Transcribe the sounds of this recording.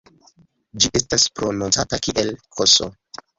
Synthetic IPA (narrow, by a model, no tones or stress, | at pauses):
d͡ʒiʔe̞staspɾo̞nont͡satakiʔelkʰoso̰